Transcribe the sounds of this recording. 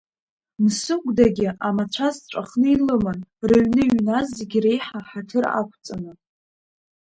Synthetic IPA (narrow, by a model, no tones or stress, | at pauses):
msɨkʷʼdaɡʲɪʔamat͡ɕʷʰazt͡ɕʷʼaχnɨilɨmanrɨɥnɨɥnazːeɡʲre̞jħaħatʰɨra̰kʷʰt͡sʼanɨ